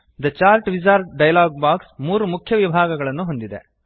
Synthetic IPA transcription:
d̪ɐt͡ʃaːlʈʋid͡ʒaːɾɖɐjɐlaːɡ̚baːksmuːɾumukʰjɐʋibʱaːɡɐɡɐɭɐnːuɦo̞nd̪id̪ḛ

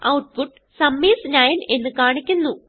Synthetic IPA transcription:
ɐwʈ̚puʈː | sɐmːiːsnaːjɐne̞nːɨkaːɳikʲːunːu

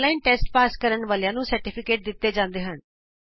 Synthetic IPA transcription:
laːinʈɛːsʈpaːskəɾəɳʋaːljãːnũːsəɾʈɪːpʰɪkeːʈ̚d̪ɪt̪ːeːd͡ʒãːnd̪eːɦən

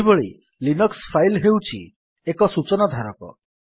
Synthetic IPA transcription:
bɔɭi | linɔkspʰajlɦewt͡ʃʰi | ekɔsut͡ʃɔnad̪ʱaɾɔkɔ̰

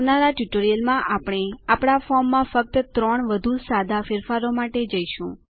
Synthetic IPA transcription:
naɾaʈjuʈoɾijəlmãʔapɽ̃eapɽ̃afɔmːãfək̚t̪ət̪ɾəɳʋəd̪ʱusad̪ʱafɪɾfaɾomaʈed͡ʒəiʃṵ̃

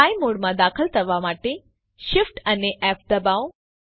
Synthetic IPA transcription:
aːimoɽmãd̪aːkʰəlt̪ʰɐʋamaːʈe | ʃɪfʈɐneʔɛːp̚d̪ɐbaw

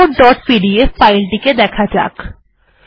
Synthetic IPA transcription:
oɖɔːʈ̚piɖieffaɪlʈiked̪ɛːkʰad͡ʑa̰ːk

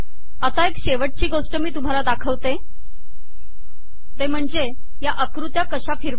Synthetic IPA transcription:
ət̪aekɕeʋəʈ̚t͡ɕiːɡoʂʈəmiːt̪um̤alad̪akʰəʋt̪e | t̪em̤əɳd͡ze | jaʔəkɾut̪jakəɕafiɾʋ

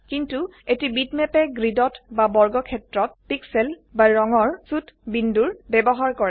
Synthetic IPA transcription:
kintuetibitmɛpɛɡɹidɔtbabɔɹɡɔkʰɛtɹɔt̚piksɛlbaɹɔŋɔɹsutbinduɹbɛbɔɦaɹkɔɹɛ

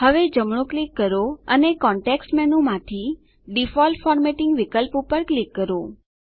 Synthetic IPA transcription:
həʋed͡ʒəmɽ̃õklikːəɾoənekɔ̃ɳʈeksʈmɛnũmãt̪ʰi | ɖifɔlʈfɔɾmeʈɪŋɡʋikəlpupəɾklikːəɾo

